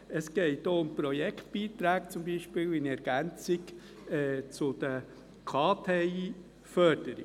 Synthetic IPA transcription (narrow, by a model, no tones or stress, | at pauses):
əsɡ̥ɛɪtdoːʊmpɾɔjɛkt̪b̥iːt̪ɾæːk̚t͡sʊmbiːʃpɪːlɪnɛɾɡ̥ænt͡sɪɡ | ɛːt͡sʊd̪̥ə | kʰɑːtʰeiː | fœɾd̥əɾḭ